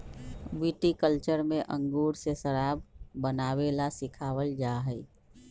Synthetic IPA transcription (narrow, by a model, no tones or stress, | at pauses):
ʋiʈikəlt͡ʃəɾmẽʔə̃ŋɡuɾsesəɾabbənawelasɪkʰaːwəld͡ʒaɦəɪ